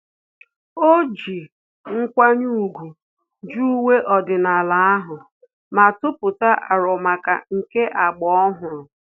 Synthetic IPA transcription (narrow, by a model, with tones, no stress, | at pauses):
o˦d͡ʒi˨ | ŋ̩˦kʷa˦ɲu˦˨ɡʷu˨ | d͡ʒu˦u˦we˦ʔɔ˨dɪ˨na˨la˨a˦ɦʊ˨ | ma˨tʊ˦pʊ˨ta˦ʔa˨ɾɔ˨ma˨ka˨ŋ̩˨ke˦ʔa˨ɡ͡bɔ˦ɔ˦ɦʊ˨ɾʊ˨